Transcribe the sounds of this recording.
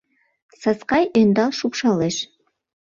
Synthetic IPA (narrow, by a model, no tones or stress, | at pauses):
sɑsqɑjʔønd̪ɑlˠʃupʃɑlˠɘʃ